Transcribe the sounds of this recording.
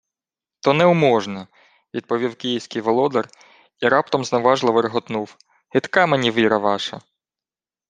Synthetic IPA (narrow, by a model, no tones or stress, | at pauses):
t̪ɔnɛʊmɔʒnɐ | ʋʲid̪̚pɔʋʲiwkʲijiwsʲkʲɪjʋɔlˠɔd̪ɔr | iɾɑpt̪ɔmznɔʋɑʒlˠɐʋeɾɦɔt̪nuw | hɪt̪kɑmenʲiʋʲiɾɐʋɑʃɐ̰